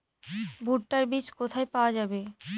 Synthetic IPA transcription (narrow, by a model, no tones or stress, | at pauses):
bʱuʈʈaɾbit͡ɕkot̪ʰaepaoad͡ʑabe